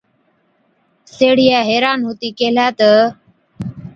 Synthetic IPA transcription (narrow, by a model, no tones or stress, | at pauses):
seːɽ̤ɪjaːɦeːɾaːnɦoːt̪iːkeːlaːt̪ə